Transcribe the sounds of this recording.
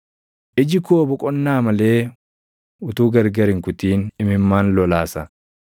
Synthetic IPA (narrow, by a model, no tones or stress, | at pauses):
ʔɪd͡ʒɪkuɔbɔkʼɔnːaːmɐle̞ː | ʊt̪uːɡɐɾɡɐɾɪŋkʊt̪iːnɪmɪmːaːnlɔlaːsɐ